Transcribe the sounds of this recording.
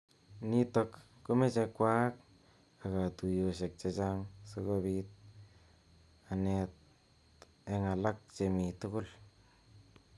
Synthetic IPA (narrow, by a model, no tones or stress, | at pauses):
nitokː | umet͡ʃekːwak̚ | aɡatujos̬ek̚t͡ʃed͡ʒaŋsoɡoβit̚ | anet̚ | eŋalak̚t͡ʃemitukul